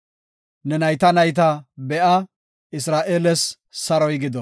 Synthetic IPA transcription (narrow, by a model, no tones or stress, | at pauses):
nɛnɐjt̪ɐnɐjt̪̬ɐbɛʔɐ | ɪs̬ɾaːʔeːlɛs | sɐɾɔjɡɪd̪ɔ